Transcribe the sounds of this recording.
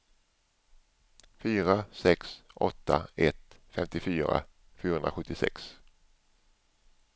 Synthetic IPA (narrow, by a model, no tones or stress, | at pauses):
fyːɾasɛksʔɔt̪ːaɛt̪fɛmt̪ɪfyːɾa̰ | fjyʉːɾhɵnɾaɧɵt̪ːɪsɛ̰ks